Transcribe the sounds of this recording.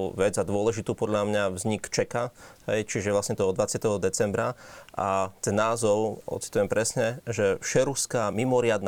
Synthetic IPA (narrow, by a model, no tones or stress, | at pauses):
ʋɛd͡zad̪ʊɔlɛʒit̪uːpɔd̪ʎamɲavzɲikt͡ʃɛkaɦɛjt͡ʃiʒɛʋlasɲɛt̪ɔɔd̪ʋat͡sɪat̪ɛɦɔd̪ɛt͡sɛmbɾaʔat̪ɛnːaːzɔʊɔ̰tt͡si̥t̪ujɛmpɾɛsɲɛʒɛfʃɛɾuskamimɔɾɪad̪n